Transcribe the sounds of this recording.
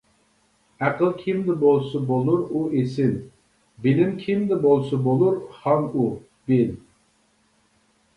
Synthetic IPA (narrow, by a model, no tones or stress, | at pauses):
æqəlˠkʲʰimd̪ɪbolˠsʊbolˠuɾuesɪn | bɪlɪmkʲʰimd̪ɪbolˠsʊbolˠuɾhɑnu | b̥ɪl